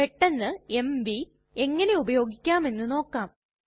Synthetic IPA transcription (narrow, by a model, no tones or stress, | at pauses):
eʈːenːɨemʋi | e̞ŋːɐne̞ubɐjo̞ːɡikʲːaːme̞nːɨno̞ːkːaːm